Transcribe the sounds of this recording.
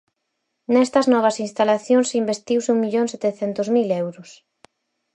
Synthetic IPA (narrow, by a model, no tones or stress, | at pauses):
nɛst̪ɐznɔβ̞ɐsinst̪alaθjoŋsimbest̪iwsuŋmiʎoŋset̪eθent̪ʊzmilɛwɾʊs